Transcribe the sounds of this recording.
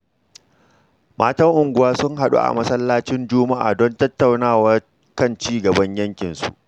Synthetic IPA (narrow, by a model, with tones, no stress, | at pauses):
maː˦tɐ˦ŋʔʊ˨ŋɡʷʊ˨waː˦sʊ˦ŋɦa˨ɗṵ˦ʔa̰˨mɐ˦sɐ˦lːaː˦t͡ʃɪ˦nd͡ʒʊː˦ma˦ʔa̰ː˨dɔ˦ntɐ˦tːa˨wnaː˦wa˦ | kɐ˦˨nt͡ʃiː˦ɡɐ˨bɐ˦ɲjɐ˦ŋkʲɪ˨nsṵ˨ʔ